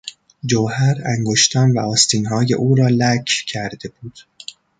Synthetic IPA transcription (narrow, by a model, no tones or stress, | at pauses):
d͡ʒoːhæɾæŋɡoʃt̪ʰɒːnvæ̰ɒːst̪ʰiːnɦɒːje̞̰ʔuːɾɒːlæcʰcʰæɾd̪e̞b̥uːd̪̥